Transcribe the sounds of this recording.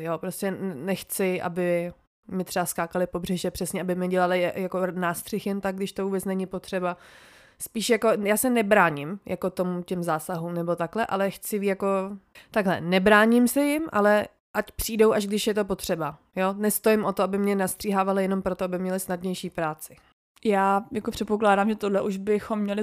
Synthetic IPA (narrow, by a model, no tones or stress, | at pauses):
jopɾoscɛnɛxt͡sɪʔa̰bɪ | mɪt̪r̥ɛbaskaːkalɪpo̞brɛʒɛpr̥ɛsɲɛʔabɪmɲɛɟɛlalɪjako̞naːst̪r̝̥ɪxjɛnt̪akɡ̚ɡdɪʃt̪o̞vuːbɛt͡snɛɲɪpot̪r̥ɛba | spiːʃjako̞jaːsɛnɛbɾaːɲɪmjʔako̞t̪o̞mucɛmzaːsaɦuːmnɛbo̞t̪aklɛʔalɛxt͡sɪvijako̞t̪aɡɦlɛ̰nɛbɾaːɲɪmsɛjɪmʔa̰lɛ | ʔacpr̥iːdo̞wʔaʒɡdɪʃjɛt̪o̞po̞t̪r̝̥ɛba | jo̞ːnɛst̪o̞jɪmʔo̞t̪oabɪmɲɛnast̪r̥iːɦaːvalɪjɛno̞mpɾo̞t̪oabɪmɲɛlɪsnadɲɛjʃiːpɾaːt͡sɪ̥ | jaːjakopr̝̥ɛt̪̚po̞klaːdaːmʒɛt̪odlɛʔuʒbɪxo̞mːɲɛlɪ